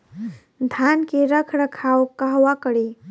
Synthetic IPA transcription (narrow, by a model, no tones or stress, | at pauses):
d̪ʱankeɾəkʰɾəkʰawkaɦwakəɽi